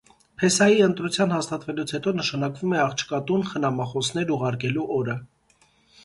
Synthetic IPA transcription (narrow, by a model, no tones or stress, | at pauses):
pʰɛsɑjiənt̪ɾut͡sʰjɑn̪hɑst̪ɑt̪vɛlut͡sʰhɛt̪ɔnəʃɑnɑkvumɛɑχt͡ʃʰkɑt̪unχənɑmɑχɔsʰn̪ɛɾuʁɑɾkɛluʔɔɾə